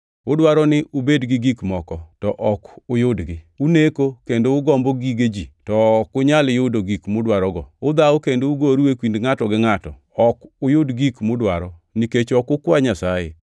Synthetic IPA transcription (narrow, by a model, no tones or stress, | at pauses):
ʊdwaɾɔnɪʔʊbedɡɪɡikmɔkɔtɔʔɔkʊjʊdɡɪ | unekokendoʊɡɔmboɡiɡed͡ʒitɔkʊɲaljʊdoɡikmʊdwaɾɔɡɔʊd̪aokendouɡoɾuwekwindŋatɔɡɪŋatɔ | ɔkʊjʊdɡikmʊdwaɾɔniket͡ʃɔkʊkwaɲasajḛ